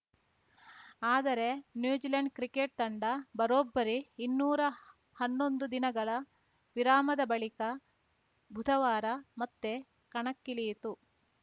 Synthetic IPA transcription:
aːd̪ɐɾe̞njuːd͡ʒilɐɳɖ̚kɾikeːʈ̚t̪ɐɳɖɐbɐɾoːbːɐɾiːnːuːɾɐ | hɐnːo̞nd̪ud̪inɐɡɐɭɐ | ʋiɾaːmɐd̪ɐbɐɭikɐ | bʱud̪ʰʱɐʋaːɾɐmɐt̪ːe | kɐɳɐkːiliːt̪u

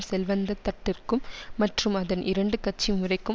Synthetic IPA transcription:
msɛlʋɐnd̪ɐt̪ːɐʈːɪrkɯmːɐʈrɯmɐðɐnʔɪɾɐɳɖɯkɐʈ̚t͡ʃːimʊrɐɪkːɯ

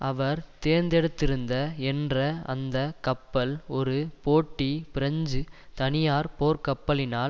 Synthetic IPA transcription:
ɐʋɐɾt̪eːɾnd̪ɛɽɯt̪ːɪɾɯnd̪ɐɛndrɐɐ̰nd̪ɐkɐpːɐlɔɾɯpoːʈːipɪɾɐɲd͡ʒɯt̪ɐnɪjaːɾpoːɾkɐpːɐlɪnaːl

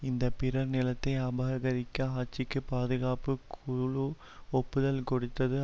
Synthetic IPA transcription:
ɪnd̪ɐpɪɾɐɾnɪlɐt̪ːɐɪɐbɐɣɐɾɪkːɐɦaːt͡ʃːɪkːɯpaːðɯɣaːpɯkʰʊɭu | ɔpːɯðɐlkɔɽɯt̪ːɐðɯ

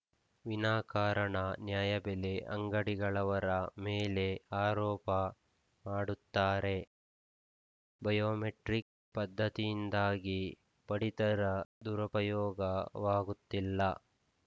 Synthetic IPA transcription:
ʋinaːkaːɾɐɳɐnjaːjɐbɛleʔɐŋɡɐɽiɡɐɭɐʋɐɾɐmeːle̞aːɾɔːpɐ | maːɽut̪ːaːɾe̞ | bɐjoːmeʈɾik̚ | pɐd̪ʱːɐt̪ijind̪aːɡi | pɐɽit̪ɐɾɐd̪uɾɐpɐjɔːɡɐʋaːɡut̪ːilːɐ

